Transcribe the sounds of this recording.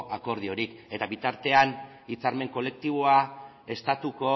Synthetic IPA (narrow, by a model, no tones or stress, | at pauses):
ʔako̞ɾð̞io̞ɾike̞t̪aβit̪aɾt̪e̞an | it͡saɾme̞ŋko̞le̞k̚t̪iβ̞oa | e̞st̪at̪uko̞